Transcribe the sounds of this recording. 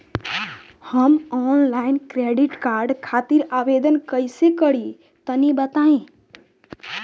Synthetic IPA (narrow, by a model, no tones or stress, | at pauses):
həmɔnlaɪnkɾeɖiʈkaɾɖkʰat̪iɾabed̪ənkəjsekəɽi | t̪ənibət̪aẽ